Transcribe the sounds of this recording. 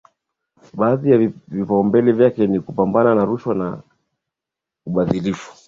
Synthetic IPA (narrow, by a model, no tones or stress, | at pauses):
ɓaːðijavipaɔmbɛlɛvjakɛnikupambananaɾuʃwana̰ | uɓaðilifu̥